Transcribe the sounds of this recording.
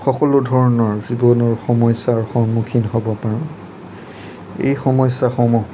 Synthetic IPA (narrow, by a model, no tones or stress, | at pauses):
xɔkɔlʊdʱɔɹɔnɔɹzibɔnɔɹxɔmɔjsaɹxɔɹmukʰinɦobɔpaɹɔ̃ | ḛjxɔmɔjsaxɔmɔ